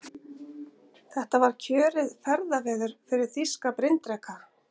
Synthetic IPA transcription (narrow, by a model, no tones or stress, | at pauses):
θɛht̪avaɾ̥cʰœːɾɪðfɛɾðavɛːðʏɾ̥fɪɾɪɾ̥θiskapɾɪnt̪ɾɛkʰa